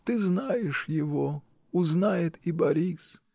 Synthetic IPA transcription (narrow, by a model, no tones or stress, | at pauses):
t̪ɨznajɛʂjɪvɔ | uznajɛt̪ibɐɾʲis